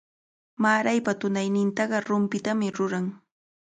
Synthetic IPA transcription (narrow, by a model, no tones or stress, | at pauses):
maːɾajpat̪ʊnajnɪnt̪ɑɢɑɾʊmpɪt̪amɪɾʊɾaŋ